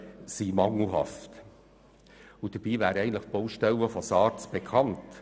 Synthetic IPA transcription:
simɑŋl̩ˠɦɑ̰ft | ʊd̥əɾb̥iːvæːɾɛɪən̩tləχt̚b̥oʊʃtɛlːəfɔsɑːɾt͡sb̥ekʰɑnt

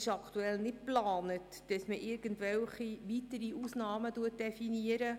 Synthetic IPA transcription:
ɪʃɑkʰtuɛlnɪt̚plɑːnət | d̥əsməʔɪɾɡ̥əntʋɛlχiʋitəɾiusnɑːmətuət̚d̥ɛfiniəɾə

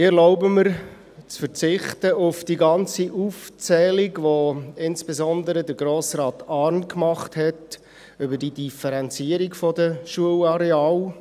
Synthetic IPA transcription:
ɪɛɾlɔʊbəməɾ | t͡sfəɾt͡sɪχtəʊfd̥iɡɑnt͡siʔuft͡sɛːliɡʋoɪnsb̥ɛzɔndəɾədəɾɡɾoːsrɑːtɑɾnkmɑχthɛt | ʏbəd̥idifɛɾɛnt͡siːəɾikfɔdəʃuəlɑɾɛɑːl

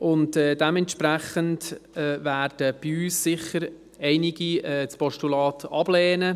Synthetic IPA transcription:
ʊntɛːdɛmɛntʃpɾæχəndɛvæːɾd̥əb̥iyːsːɪχːəɾ | ɛɪnɪɡiɛːt͡spɔʃtulɑːtʰɑb̥lɛːnə

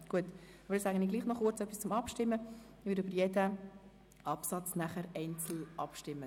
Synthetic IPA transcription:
ɡ̥uət | ɑbəɾɛsæːɡəniɡliːχnɔχʊt͡sœpːist͡sʊmɑpʃtɪmːə | ʋɪɾøbəɾjɛdə | ʔɑpsɑt͡snæχəɾɛɪnt͡sl̩ʔɑpʃtɪmːə

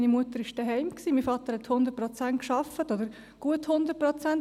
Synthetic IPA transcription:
inimuət̪əɾɪʃd̥əɦɛɪmksiːmiːfɑt̪əɾhɛt̪hʊndəɾt̚prɔt͡sæntkʃɑfətodəɾ | ɡ̥uəthʊnd̪əɾpɾɔt͡sænt

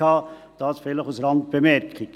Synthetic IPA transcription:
ɑː | d̥ɑːsfɛləχusɾɑnt̚b̥emɛɾkʰik

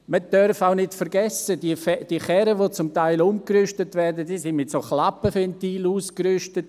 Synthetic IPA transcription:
məd̥œɾfaʊnɪtfəɾɡɛsədifɛd̥iχɛɾəʋot͡sʊmtaɪlʊmkɾʏʃtətvɛɾdədiːsɪnmɪtsoːχlapəfɛntiːluːskɾʏʃtət

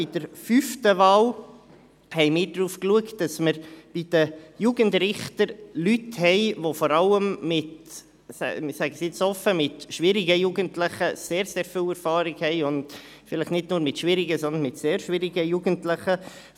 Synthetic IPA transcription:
ɪd̥əɾfyftəʋɑːl | hɛɪmɪːɾdɾuːfkluəktd̥ɑsməɾb̥id̥əjuːɡənd̪ɾɪχtəɾlythɛɪʋofɔɾɑləmːɪt | sɛ̰sæɡəsɪt͡sɔfəmɪtʃʋɪɾiɡəjuːɡəntlɪχəseːɾseːɾfilɛɾfɑːɾɪɡhɛɪʊnd̥ | fɪləχnɪdnuːɾmɪtʃʋɪɾɪɡəsɔnd̪ənmɪtseːɾʃʋɪɾiɡəjuːɡəntlɪχə

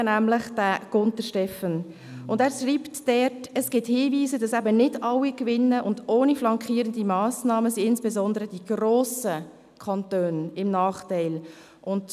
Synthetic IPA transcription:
næmləχd̥æɡ̥ʊntəɾʃtɛfən | ʊndæːɾʃriːptd̥ɛtəsɡ̥ɪthiːviːzəd̥ɑsæbənɪdɑwikʋɪnːəʔʊndoːniflɑŋkʰiːəɾəndimɑːsnɑːməsiɪnsb̥ezɔndəɾəd̥iɡ̥roːsə | kʰɑntøːnɪmnɑːχtæɪl | ʊnd

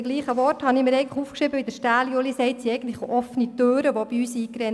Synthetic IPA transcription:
ɡliːχəʋɔrthɑnɪmiːɾɛɪɡəntləχuːfkʃɾɪbəʋid̪əʃtæːljolisɛɪttsiɛɪɡən̩tləχʔɔfnit̪øːɾəʋɔb̥iyːsiːkɾɛn

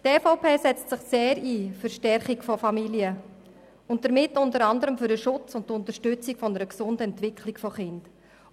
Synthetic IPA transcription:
teːfoʊpʰeːsɛt͡stsɪχseːɾiːfʏʃtɛrχikfɔfɑmiliə | ʊnt̚dəɾmɪtːʊntəɾɑndəɾəmfʏɾdəʃʊt͡sʊnttʊntəɾʃtʏt͡sikfɔnəɾəksʊndəɛntʋɪkʰlikfɔχɪnd̥

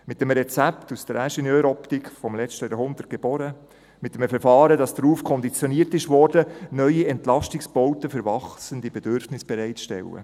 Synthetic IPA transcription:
mɪtːəmɾɛt͡sæptusd̥əɾæʃɛnjøːɾɔptikfɔmlɛt͡ʃtəjɑɦʊnd̪ərt̚ɡ̥eb̥ɔɾə | mɪt̪ːəmfɛɾfɑːɾədɑsd̥̪ɾuːfkʰɔnd̪it͡sjɔniːəɾtɪʃʋɔːɾdənœʏiɛntlɑʃtɪksb̥ɔwtəfəɾvɑχsəndibɛdøɾfnɪsb̥ɛɾɛɪtʃtɛ̰lːə̰

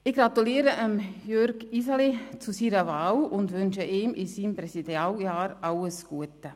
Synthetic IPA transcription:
ɪçɡ̥ɾɑt̪uliːɾəʔəmjøɾɡisalit͡susiːɾəvaːlʊndʋʏnʃəʔiːmʔɪsiːmprɛsidaljaːɾʔɑləsɡ̥uətə

